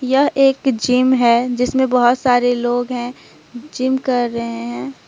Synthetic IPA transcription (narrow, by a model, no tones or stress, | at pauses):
jɐɦeːkd͡ʒimɦɛːd͡ʒɪsmẽbɐɦʊt̪saːɾeloːɡɦɛ̃ | d͡ʒɪmkɐɾːəɦeɦɛ̃ː